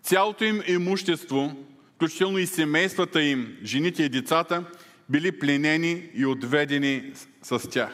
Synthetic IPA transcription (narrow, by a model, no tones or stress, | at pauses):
sʲjalˠot̪oimɛmuʃt̪ɛst̪vofklʲut͡ʃit̪ɛlˠnoisɛmɛjst̪vət̪əimʒɛnit̪ɛid̪ɛt̪sat̪ə | biliplʲɛnɛniːod̪vɛd̪ɛni | sɐstʲax